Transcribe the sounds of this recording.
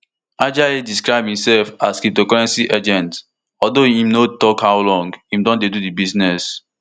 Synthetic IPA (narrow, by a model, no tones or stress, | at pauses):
ad͡ʒaediskɹaɪb̚hĩmsɛlfaskitokɔɹɛ̃nsiʔed͡ʒɛ̃nt | ɔdohĩmnotɔkhaʊlɔ̃ŋɡhĩmdɔ̃ndedudibiznɛs